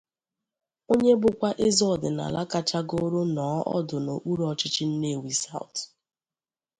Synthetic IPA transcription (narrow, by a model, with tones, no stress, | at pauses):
o˦ɲe˦bʊ˨kʷa˦ʔe˦zɔ˦˨dɪ˨na̰˨la˦ka˦t͡ʃa˦ɡo˦ɾo˦nɔː˨˦ʔɔ̰˦dʊ˨no˨k͡pu˦ɾɔ˨t͡ʃɪ˦t͡ʃɪ˦n̩˦ne˦˨wi˨sa̰˦˨ʊ˨t